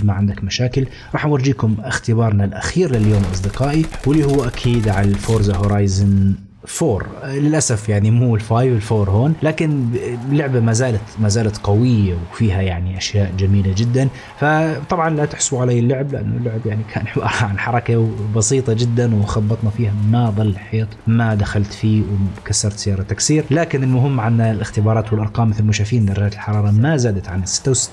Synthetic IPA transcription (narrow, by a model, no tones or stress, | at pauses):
maʕɪnd̪akmaʃaːkɪl | ɾˤɑːħwɑɾˤd͡ʒiːkʊmʔɪxt̪ɪbɑːɾˤnalʔaxiːɾlɪljoːmlʔɑ̰sˤd̪ɪqɑːʔiwɪlːihʊwːʔakʰiːd̪ʕalfoːɾzahʊɾˤɑːjzɪn | foːɾˤlɪlʔasafjaʕnimuːɪlfaːjwɪlfoːɾˤhoːnlaːkɪnlːʊʕbamaːzaːlat̪maːzaːlat̪qawɪjːawfiːɦajaʕniʔaʃjaːʔd͡ʒamiːlad͡ʒɪd̪ːan | fat̪ˤɑbʕɑnlat̪ɪħsuʕalajːɪlːʊʕɪblɪʔa̰nːʊlːʊʕɪbjaʕnikʰaːnħbɑ̰ːɾˤhɑʕanħɑɾˤɑkabɑsiːt̪ˤɑd͡ʒɪd̪ːanwxɑbːɑt̪ˤnafiːhamaðˤɨlːħeːt̪ˤmad̪axalt̪fiːwkasːɑɾˤt̪z̥ɪjɑːɾˤɑt̪ːaksiːɾlaːkɪnɪlmʊɦɪmːʕanːalʔɪxt̪ɪbɑːɾˤɑːt̪wɪlʔɑɾˤqɑːmːɪθɪlmʊʃaːfiːnd̪ɑrˤːaːt̪ɪlħɑɾˤɑːɾˤɑmazaːd̪at̪ʕanɪsɪ̥t̪ːawsɪ̥t̪ː